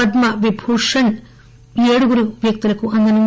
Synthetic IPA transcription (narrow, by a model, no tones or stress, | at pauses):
ɐd̪mɐʋibʱuːʂɐn | eːɽuɡuɾuʋjɐk̚t̪ulɐkːuʔɐnd̪ɐnum